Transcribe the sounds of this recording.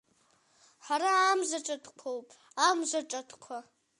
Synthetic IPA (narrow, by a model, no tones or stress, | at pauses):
ħaɾaamʒʷaʈ͡ʂʼatʰkʷʰowpʼ | amʒʷaʈ͡ʂʼatʰkʷʰa